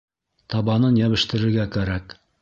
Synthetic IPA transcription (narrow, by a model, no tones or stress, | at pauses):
t̪ɑβɑnɤnjæβɘ̆ʃt̪ɘ̆ɾɘ̆ɾɡækæɾæk